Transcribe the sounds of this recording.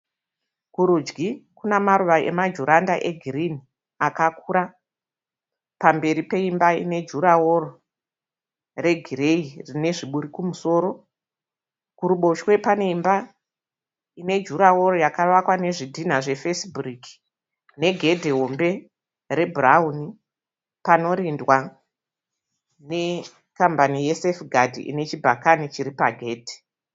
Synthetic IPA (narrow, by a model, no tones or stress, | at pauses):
kuɾud͡ʒɡikunamaɾuʋaʔe̞̰mad͡ʒuɾandaʔe̞ɡʱirini | akakuɾa | pambe̞ɾipe̞imbaḭne̞d͡ʒuɾaworo | re̞ɡʱireirine̞ʐiɓuɾikumuso̞ːɾo̞ | kuɾuɓo̞ʃwe̞pane̞imba | ine̞d͡ʒuɾawo̞ɾo̞jakaʋakwane̞ʐidʱin̤aʐe̞fesburiki̥ | ne̞ɡʱe̞dʱeɦo̞mbe̞ | ɾe̞bʱurauni | pano̞ɾindwa | ne̞ | kambanije̞sefɡʱadʱḭʔḭne̞t͡ʃibʱakanit͡ʃiɾipaɡʱe̞ːdʱe̥